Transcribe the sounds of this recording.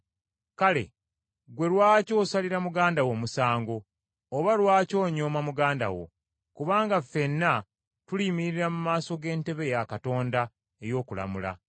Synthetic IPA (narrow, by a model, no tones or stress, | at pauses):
kale̞̰ | ɡwe̞lwaːco̞ːsaliɾamuɡaːndawo̞musaːŋɡo̞ː | βalwaːco̞ːɲo̞ːmamuɡaːnda̰wo̞̰ | kuβaːŋɡafe̞nːa | tulimiɾiɾamumaːso̞ɡe̞ːnte̞βe̞jakato̞ːnda | e̞jo̞ːkula̰mula̰